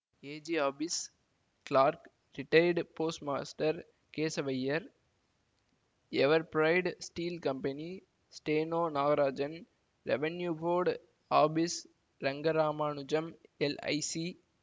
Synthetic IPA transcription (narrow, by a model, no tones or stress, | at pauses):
eːd͡ʒiaːbɪs | kɭaːɾk | ɾɪʈɐɪɖpoːsʈma̰ːsʈɐɾ | keːsɐʋɐjːɐɾ | ɛʋɐɾpɾɐɪɖsʈiːlkɐmpɐni | sʈeːnoːnaːɡɐɾaːd͡ʒɐn | ɾɛ̰ʋɐnjuːfoːɾɖ | aːbɪs | ɾɐŋɡɐɾaːmaːɳʊd͡ʒɐmɛlɐ̰ɪsi